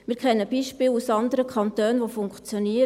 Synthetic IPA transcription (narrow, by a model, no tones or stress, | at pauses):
mɪːɾkʰɛnːəb̥iʃpɪːlusɑnd̪əɾəkʰɑnt̪øːnʋofʊŋkt͡sjoniə